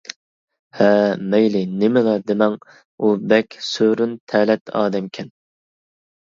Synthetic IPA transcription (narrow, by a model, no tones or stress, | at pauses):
hɛmɛjlɪnɪmɪlɑd̪ɪmɛŋ | ubɛkʲsøɾynt̪ʰɛːlɛt̪ʰɑ̰ːd̪ɛmkʲʰɛn